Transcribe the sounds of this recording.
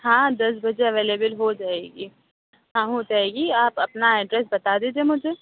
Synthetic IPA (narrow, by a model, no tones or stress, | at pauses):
ɦãːd̪ɐs̬bɐd͡ʒeɐʋeːleːbəlɦod͡ʒaːeːɡiː | ɦãɦod͡ʒaːeːɡiaːpɐpnaeːɖɾɛs̬bɐt̪ad̪eːd͡ʒemʊd͡ʒʱeː